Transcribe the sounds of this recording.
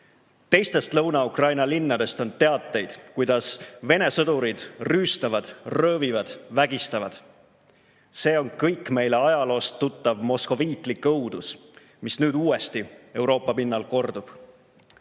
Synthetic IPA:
t̪e̞jst̪e̞st̪lɤwnɑukrɑjnɑlinːɑd̪̥e̞st̪o̞nt̪e̞ɑt̪ˑːe̞jd̪̥kujd̪̥ɑsve̞ne̞sɤd̪uɾid̪̥ryːst̪ɑvɑd̪̥rɤːvivɑd̪̥væɡ̥ist̪ɑvɑd̪̥ | se̞ːo̞nkɤjkːˑme̞jle̞ɑjɑlo̞ːst̪ːut̪ˑːɑvmo̞sko̞viːt̪ˑlikɤwd̪̥us | misnyːd̪uːe̞st̪ie̞wɾo̞ːpːˑɑpinːɑlko̞rd̪̥ub̥

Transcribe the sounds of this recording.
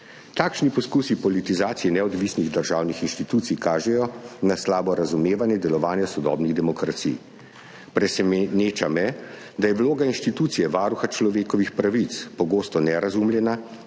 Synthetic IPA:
t̪aːkʃnipɔskuːsipɔlit̪izaːt̪sijɛnɛɔd̪ʋisniɣd̪əɾʒaːwnixinʃt̪it̪uːt̪sijkaːʒɛjɔnaslaːbɔɾazumeːʋanjɛd̪ɛlɔʋaːnjasɔd̪ɔ̰ːbniɣd̪ɛmɔkɾat̪sḭj | pɾɛsɛneːt͡ʃamɛ | d̪ajɛwloːɡainʃt̪it̪uːt̪sijɛʋaːɾuxat͡ʃlɔʋeːkɔʋixpɾaʋit̪spɔɡoːst̪ɔnɛɾazumljɛna

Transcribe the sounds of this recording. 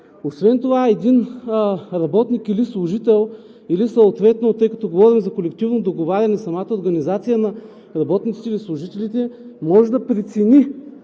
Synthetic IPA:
osvɛnt̪ovaɛd̪in | ɾɐbɔt̪nikilislˠʊʒit̪ɛlˠ | ilisɐt̪vɛt̪not̪ɤjkɐ̥t̪ɔɡovɔɾimzɐkolɛkt̪ivnod̪oɡovaɾʲɐnɛsɐmat̪əoɾɡɐnizat̪sijənɐ | ɾɐbɔt̪nit̪it̪ɛilislˠʊʒit̪ɛlit̪ɛmɔʒɛd̪ɐpɾɛt̪sɛni

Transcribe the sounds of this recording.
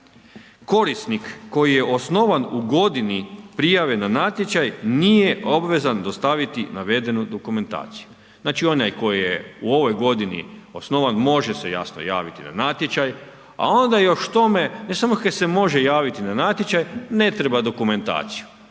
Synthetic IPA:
ko̞ɾist̪nikːo̞jije̞ʔo̞sno̞ʋanuɡo̞d̪inipɾijaʋe̞nanat̪je̞t͡ʃajnije̞ʔo̞bʋe̞zand̪o̞st̪aʋit̪inaʋe̞d̪e̞nud̪o̞kume̞nt̪a̰ːt̪si̥ju | znaːt͡ʃio̞najko̞jijeuo̞ʋo̞jɡo̞d̪inḭo̞sno̞ʋanmo̞ʒe̞se̞̰ja̰sno̰ja̰ːʋit̪ina̰nat̪jet͡ʃaj | a̰o̞nd̪ajo̞ʃt̪o̞me̞ne̞samokad̪se̞mo̞ʒe̞jaːʋit̪inanat̪ʲjet͡ʃajne̞t̪ɾebad̪o̞kume̞nt̪a̰ːt̪siju

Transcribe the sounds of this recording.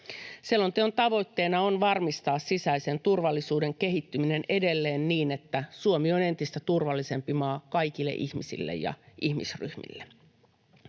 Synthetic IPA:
selːo̞nt̪eo̞nt̪ɑʋo̞jt̪ːe̞ːnɑonʋɑrmist̪ɑːssisæise̞nt̪urʋɑlːisuːde̞ŋke̞ɦit̪ːymine̞ne̞de̞lːe̞ːnːiːne̞t̪ːæsuomio̞ne̞nt̪ist̪æt̪urʋɑlːise̞mpimɑːkɑjk̟ilːḛʔihmisḭlːḛjjɑ̰ʔihmḭsry̰hmḭlːe

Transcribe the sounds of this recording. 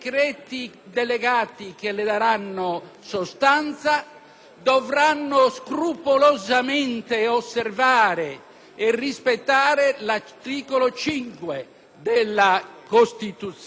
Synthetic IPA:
kɾɛːt̪i | d̪ɛlɛɡaːt̪ik̟elɛd̪aɾanːo | sost̪ant̪sa | d̪ɔvɾanːoskɾupolozamɛnt̪eosːɛrvaːɾe | ɛrːispɛt̪ːaːɾelat̪iːkolot͡ʃiŋkwe | d̪ɛlːakost̪it̪ut̪s

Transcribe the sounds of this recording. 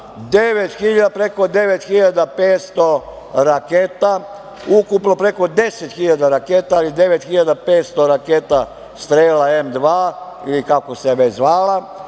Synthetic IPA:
d̪eʋet̪xiʎad̪apɾeko̞d̪e̞ʋet̪xiʎad̪apeːt̪st̪o̞ | ɾakeːt̪a | ukupno̞pɾe̞ko̞d̪e̞set̪xiʎad̪aɾakeːt̪aːlid̪e̞ʋet̪xiʎad̪apeːt̪st̪o̞ɾakeːt̪a | st̪ɾelaemd̪ʋaː | ilikakoseʋet͡ʃzʋaːla

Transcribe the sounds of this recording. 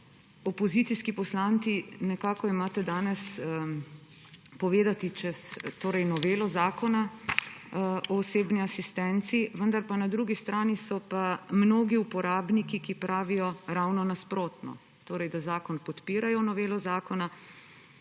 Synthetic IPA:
ɔpɔzit̪siskipɔslaːnt̪sinɛkaːkɔimaːt̪ɛd̪aːnɛs | pɔʋeːd̪at̪it͡ʃɛst̪oːɾɛjnɔʋeːlɔzaːkɔna | ɔːseːbniasist̪ɛnt̪siʋənd̪aɾpanad̪ɾuɡist̪ɾaːnisɔpamnoːɡiupɔɾaːbnikikipɾaːʋijɔɾawnɔnaspɾoːt̪nɔ̰ | t̪oːɾɛjd̪azaːkɔnpɔt̪piːɾajɔnɔʋeːlɔzaːkɔna

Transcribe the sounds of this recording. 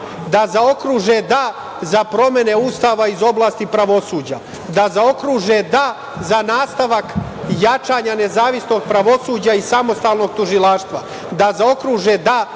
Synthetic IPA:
d̪azao̞kɾuːʒed̪a | zapɾo̞me̞ne̞uːst̪aːʋaizo̞blˠaːst̪ipɾaʋo̞suːd͡ʑa | d̪azao̞kɾuʒed̪a | zanaːst̪aʋak | jat͡ʃaːɲane̞zaːʋisno̞ɡ̚pɾaʋo̞suːd͡ʑaisamo̞st̪aːlˠno̞ɡ̚t̪uʒilˠaːʃt̪ʋa | d̪azao̞kɾuːʒed̪a

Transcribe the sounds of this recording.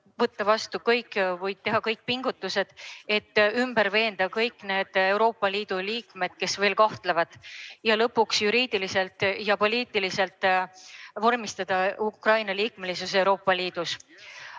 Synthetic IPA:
vɤt̪ːɑvɑst̪ukɤjkːvɤjd̪̚t̪e̞ɦɑkɤjk̚ːˑpiŋɡ̥ut̪ːˑuse̞d̪̥e̞t̪ːymbəɾve̞ːnd̪ɑkɤjkːˑne̞ːd̪̥e̞wɾo̞ːpˑːɑliːd̪̥uliːkme̞d̪̥̚ke̞sve̞ːlkɑht̪levɑd̪̥jɑlɤpːˑuksjuɾiːd̪̥ilise̞lt̪jɑpo̞lʲiːt̪ːˑilise̞lt̪ˑ | vo̞rmist̪ɑd̪̥ɑukrɑjnɑliːkme̞lis̬use̞wɾo̞ːpːˑɑliːd̪̥us

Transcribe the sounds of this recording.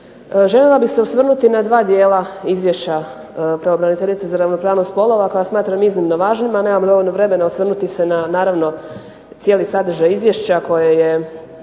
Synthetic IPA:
ʒe̞lʲelˠabiseosʋr̩nut̪inad̪ʋaːd̪jeːlˠaizʋjeʃt͡ɕa | pɾeobɾanit̪e̞ʎit̪sezaɾaʋno̞pɾaːʋnost̪po̞lˠo̞ʋakojasmaːt̪ɾamiznimnoʋaːʒnimanemamlioinoʋɾe̞me̞naosʋr̩nut̪ise̞nanaːɾaʋno̞ | t̪sjeːlisad̪r̩ʒajizʋjeʃt͡ɕako̞jeje

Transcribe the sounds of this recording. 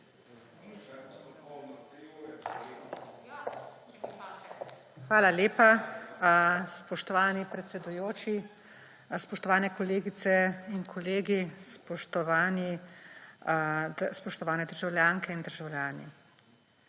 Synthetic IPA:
xʋaːlaleːpa | spɔʃt̪ɔʋaːnipɾɛt̪sɛd̪ujoːt͡ʃi | spɔʃt̪ɔʋaːnɛkɔleːɡit̪sɛinkʰɔleːɡispɔʃt̪ɔʋaːni | spɔʃt̪ɔʋaːnɛd̪əɾʒawlʲjaːŋkɛind̪əɾʒawljaːnḭ

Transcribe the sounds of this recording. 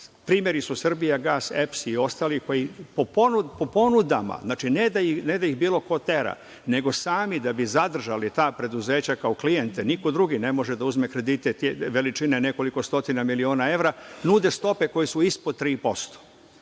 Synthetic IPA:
pɾiːmje̞ɾisusr̩bijaɡaːsepsio̞st̪aːliko̞jipoponupopo̞nud̪ama̰znaːt͡ʃined̪ained̪aixbiːlˠo̞ko̞t̪e̞ɾa̰ | ne̞ɡo̞saːmid̪abizad̪r̩ʒalit̪aːpɾe̞d̪uze̞ːt͡ɕakaoklijent̪eniko̞d̪ɾuɡine̞mo̞ʒed̪auzmekɾe̞d̪it̪et̪ʋe̞lit͡ʃinene̞ko̞liko̞st̪o̞t̪inamilio̞ːnae̞ʋɾanud̪e̞st̪o̞pe̞ko̞jisuispod̪̚t̪ɾiːpo̞st̪o̥

